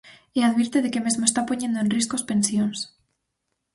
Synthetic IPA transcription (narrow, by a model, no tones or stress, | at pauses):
eaðβiɾt̪eðekemezmoest̪apo̞ɲend̪oenriskospe̞nsjons